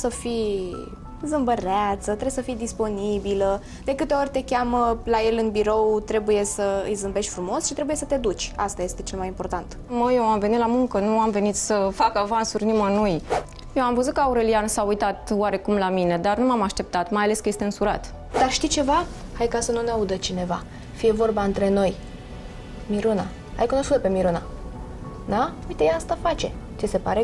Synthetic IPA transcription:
səfi | zɨmbəɾeat̪sət̪ɾebsəfijd̪ispo̞nibilə | d̪e̞kɨt̪e̞o̞rʲt̪e̞kʲaməlaje̞lɨnbiɾo̞wt̪ɾe̞buje̞səɨ̰jzɨmbe̞ʃt̪ʲfɾumo̞sʃit̪ɾe̞buje̞sət̪e̞d̪ut͡ʃʲa̰st̪aje̞st̪e̞t͡ʃe̞lmajimpo̞rt̪ant̪ | məjewamve̞nit̪lamuŋkənuamve̞nit̪səfakavansurʲnimanuj | jewamvəzut̪̚kəauɾe̞lijansaujt̪at̪waɾe̞kumlamine̞d̪arnumamaʃt̪e̞p̚t̪at̪majale̞skəje̞st̪eɨnsuɾa̰t̪ | d̪arʃt̪it͡ʃe̞va | hajkasənuneaud̪ət͡ʃine̞va | fije̞vo̞rbaɨnt̪ɾe̞no̞j | miɾuna | a̰jkunoskut̪əpe̞miɾuna | d̪aujt̪ejaast̪afat͡ʃe̞t͡ʃese̞paɾe̞

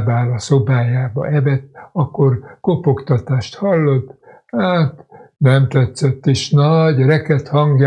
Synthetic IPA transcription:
baːlɒso̞baːjaːbɒ̰ʔɛvɛt̪ːɒkːorkopokt̪ɒt̪aːʃt̪hɒlːot̪ːhaːt̪nɛmt̪ɛt̪sɛt̪ːeːʃnɒɟrɛkɛt̪hɒŋɡja

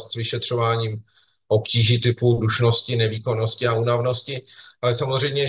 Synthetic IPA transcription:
st̪svɪʃɛt̪r̝̥o̞vaːɲiːm | ʔo̞pciːʒit̪ɪpuduʃno̞scɪnɛviːko̞no̞scɪaunavnoscɪʔalɛsamo̞zr̝ɛjmɲɛ

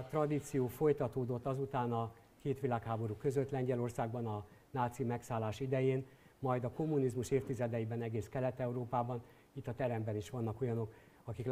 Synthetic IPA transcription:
t̪rɒd̪it̪sijoːfo̞jt̪ɒt̪oːd̪o̞t̪ːɒzut̪aːnɒ | keːt̪ʋilaːkhaːbo̞ɾukø̞zø̞t̪lɛɲɟɛlo̞rsaːɡ̚bɒnɒnaːt̪simɛksaːlːaːʃid̪ɛjeːn | mɒjd̪ɒko̞mːunizmuʃeːft̪izɛd̪ɛjibɛnɛɡeːskɛlɛt̪ːɛuɾoːpaːbɒn | it̪ːɒt̪ɛɾɛmbɛniʃʋɒnːɒko̞jɒno̞k | ɒkik

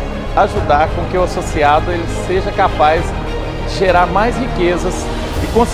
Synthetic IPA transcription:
aʒud̪aɾkõkɪʊasosiad̪ʊelɪseʒɐkapajz | d͡ʒɪʒeɾaɾmajshikezɐs | d͡ʒɪkõs

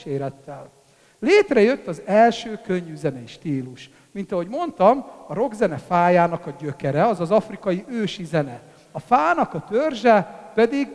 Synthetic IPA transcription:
ʃeːɾɛt̪ːɛl | leːt̪rɛjø̞t̪ːɒzɛlʃøːkø̞ɲːyzɛnɛiʃt̪iːluʃ | mint̪ɒɦo̞ɟmo̞nt̪ɒmɒɾo̞ɡzɛnɛfaːjaːnɒkɒɟøkɛɾɛɒzɒzɒfrikɒjiʔøːʃizɛnɛ | ɒfaːnɒkɒt̪ørʒɛpɛd̪iɡ

